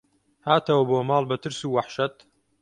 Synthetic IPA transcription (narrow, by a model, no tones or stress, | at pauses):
haːt̪ʰɐwɐboːmɑːlˠbɐt̪ɨɾsuːwaħʃɐt̪